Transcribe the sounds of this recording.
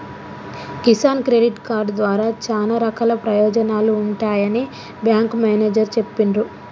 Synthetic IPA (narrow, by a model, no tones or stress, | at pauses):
kisaːnkɾeɖiʈkaːɾɖd̪ʋaːɾaːt͡ʃaːnɐɾɐkalɐpɾɐjɔːd͡ʒɐnaːluːɳʈaːjɐni | bjaːŋkmaːneːd͡ʒɐɾt͡ʃe̞pːinɾu